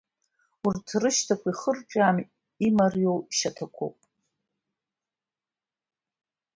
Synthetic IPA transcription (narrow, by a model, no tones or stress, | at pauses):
urtʰrɨʃtʰakʷʰaiχərʈ͡ʂʷʼam | imarjowʃatʰakʷʰo̰wpʼ